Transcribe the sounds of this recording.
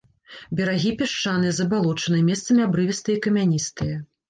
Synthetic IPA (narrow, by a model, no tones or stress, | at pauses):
bʲɛɾaɣʲipʲɛʂt͡ʂanɨjɛzɐbalˠɔt͡ʂɐnɨjɐmʲɛst̪sɐmʲiabɾɨvʲist̪ɨjikɐmʲanʲist̪ɨjɐ